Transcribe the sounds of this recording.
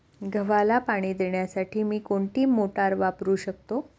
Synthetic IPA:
ɡʱəʋalapaɽ̃iːd̪eɳjasaʈʰiːmiːkoɳʈiːmoʈaɾʋapɾuːɕək̚t̪o

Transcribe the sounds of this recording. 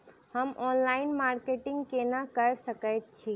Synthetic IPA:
həmɔnlaɪnmaɾkeʈĩŋɡkenakəɾsəkət̪̚t͡ʃʰi

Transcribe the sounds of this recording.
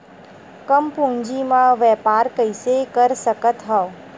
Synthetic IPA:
kəmpũnd͡ʒimãʋɛpaːɾkəjsekəɾsəkət̪ɦə

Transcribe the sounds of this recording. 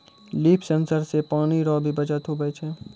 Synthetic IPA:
liːpʰsənsəɾsepaːniɾɔːbʱibɐd͡ʒat̪ʰobɛːt͡ʃʰɛ̃ː

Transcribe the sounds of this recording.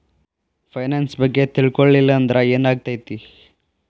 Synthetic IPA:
pʰɐjnansbɐɡːet̪iɭkoɭːilːɐːnd̪ɾeeːnaːɡ̚t̪aːjt̪i

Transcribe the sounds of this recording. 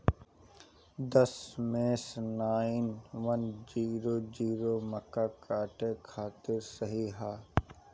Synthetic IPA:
d̪ɐsmeːsnaːɪnʋɐnd͡ʒiːɾoːd͡ʒiːɾoːmɐkaːkaːʈekʰaːt̪ɪɾsɐɦiɦaː

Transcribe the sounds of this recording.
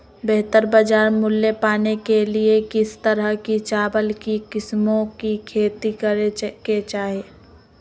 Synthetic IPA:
beɦt̪əɾbad͡ʒaːɾmʊlːepaːnekeliekɪst̪əɾəɦkit͡ʃaːbəlkikɪsmõkikʰeːt̪ikəɾeket͡ʃaːɦieː

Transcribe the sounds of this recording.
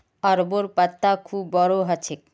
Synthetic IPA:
aɾboɾpat̪ːakʰubːɔɾoɦat͡ʃʰek̚

